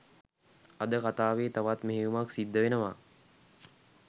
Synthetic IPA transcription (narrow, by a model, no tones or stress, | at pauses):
ɐd̪əkat̪aːʋeːt̪aʋat̪meɦeumaksid̪ːəʋenəʋa